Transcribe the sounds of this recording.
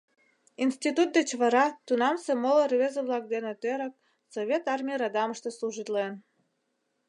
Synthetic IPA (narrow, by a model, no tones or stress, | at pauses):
insʲt̪ʲit̪ut̪̚d̪et͡ɕβɑɾɑt̪unɑmsemolərβʲezəβlˠɑk̚d̪enet̪øɾə̆k̚ | sovʲet̪ɑrmʲijəɾɑd̪ɑməʃt̪əsluʒit̪len